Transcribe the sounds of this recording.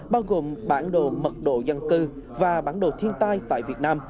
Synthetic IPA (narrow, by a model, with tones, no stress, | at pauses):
ɓaː˧wɣo˨˩mɓaː˧˩nɗo̰˧˨mə˨˩t̚ɗo̰˧˨zə˧nkɨ˧ | vaː˨˩ɓaː˧˥˩nɗo̰˧˨t̪ʰi˧ənt̪aː˧jt̪a̰ː˧˨jvi˨˩ət̚naː˧m